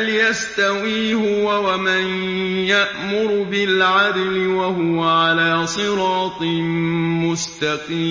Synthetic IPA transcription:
ljast̪awiːhʊwawaman | jaʔmʊɾbɪlʕad̪lɪwaɦʊwaʕalaːsˤɨɾɑːt̪ˤɨmʊst̪ɑqiː

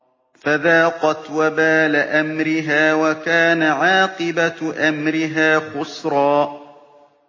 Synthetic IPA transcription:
faðaːqɑt̪wabaːlaʔamɾɪɦaːwakaːnaʕɑːqɨbaʔamɾɪɦaːxʊsɾˤɑː

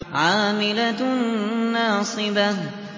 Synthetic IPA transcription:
ʕaːmɪlaː | ɑːsˤɨba

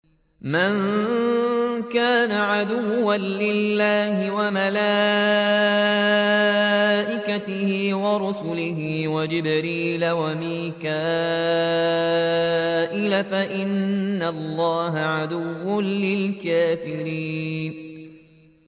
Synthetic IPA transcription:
maŋ | kaːnaʕad̪ʊwːanlɪlːaːhɪwamalaː | ʔɪkat̪ɪhɪwɑɾʊsʊlɪɦɪwad͡ʒɪbɾiːlawamiːkaː | ʔɪlafaʔɪnːalˤːɑːɦaʕad̪ʊwːʊnlɪlkaːfɪɾiːn

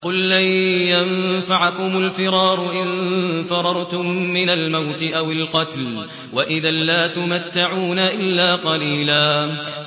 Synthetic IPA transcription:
qʊlːajjamfaʕakʊmʊlfɪɾɑːɾˤʊʔɪnfɑɾˤɑɾˤt̪ʊmːɪnalmawt̪ɪʔawɪlqɑt̪l | waʔɪðanlaːt̪ʊmat̪ːaʕuːnaʔɪlːaːqɑliːlaː

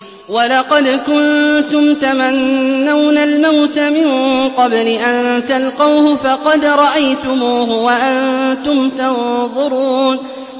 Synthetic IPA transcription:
wɑlɑqɑd̪kʊnt̪ʊmt̪amanːawnalmawt̪amɪnqɑblɪʔant̪alqɑwhʊfɑqɑd̪ɾˤɑʔajt̪ʊmuːɦʊwaʔant̪ʊmt̪ɑnðˤʊɾuːn

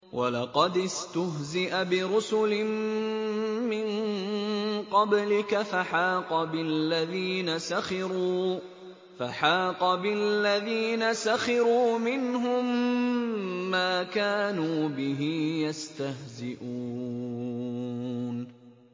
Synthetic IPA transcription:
wʔa̰lɑqɑd̪ɪst̪ʊɦzɪʔabɪɾʊsʊlɪmː | ɪnn | qɑblɪkafaħaːqɑbɪlːaðiːnasaxɪɾuː | faħaːqɑbɪlːaðiːnasaxɪɾuːmɪnɦʊm | aːkaːnuːbɪɦɪjast̪ahzɪʔu | n

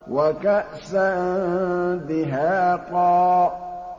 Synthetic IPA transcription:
wakaʔsa | bɪɦaːqɑː

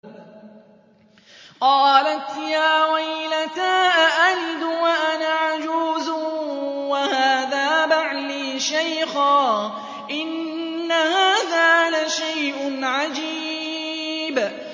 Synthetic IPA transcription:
qɑːlat̪jaːwajlat̪aːʔʔalɪd̪waʔanaʕad͡ʒuːzʊwahaːðaːbaʕliːʃajxaː | ʔɪnːahaːðaːlaʃajʔʊnʕad͡ʒiː | b

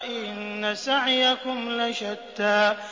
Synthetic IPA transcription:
ʔɪnːasaʕjakʊmlaʃat̪ːaːʔ

